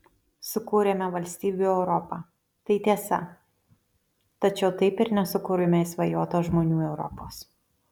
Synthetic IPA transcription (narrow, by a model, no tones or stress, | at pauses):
sʊkuːɾʲeːmʲɛʋɐlʲsʲt̪ʲiːbʲuːɛʊɾɔpɑː | t̪ɐɪt̪ʲiɛsɐ | t̪ɐt͡ʃʲɛʊt̪ɐɪpɪɾnʲɛsʊkuːɾʲʊmʲɛɪsʋɐjuɔt̪oːʒmoːnʲuːɛʊɾɔ̰poːs